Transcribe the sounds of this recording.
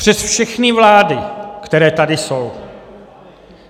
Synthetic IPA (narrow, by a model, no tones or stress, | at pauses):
pr̥ɛsfʃɛxnɪvlaːdɪkt̪ɛɾɛːt̪adɪso̞w